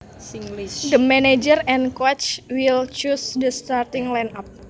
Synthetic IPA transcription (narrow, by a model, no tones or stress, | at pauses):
d̪əmɛned͡ʒərɛ̃nkwɔt͡ʃwilt͡ʃusdəst̪art̪ɪŋlanap̚